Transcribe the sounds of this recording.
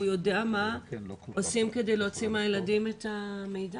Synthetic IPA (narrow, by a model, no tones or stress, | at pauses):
jo̞deama | osimke̞de̞jleot͡simajeladimetame̞jda